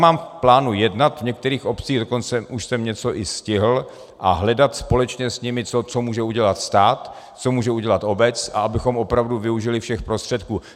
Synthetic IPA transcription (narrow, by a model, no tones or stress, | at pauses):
maːmplaːnujɛdnat̪vɲɛk̚t̪ɛɾiːxo̞pt͡siːɣdoko̞nt͡sɛʔuʃsɛmɲɛt͡so̞ʔɪscɪɦl̩ | ʔa̰ɦlɛdat̪spo̞lɛt͡ʃɲɛsɲɪmɪt͡sot͡so̞muːʒɛuɟɛlat̪st̪aːt̪ | t͡so̞muːʒɛuɟɛlat̪ʔo̞bɛt͡sʔa̰abɪxo̞mʔo̞pɾavduvɪuʒɪlɪfʃɛxpɾost̪r̝̥ɛt̪kuː